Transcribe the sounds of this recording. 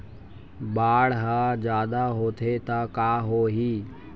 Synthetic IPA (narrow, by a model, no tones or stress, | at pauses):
baːɽɦad͡ʒaːd̪aɦoːt̪ʰet̪akaːɦoːɦiː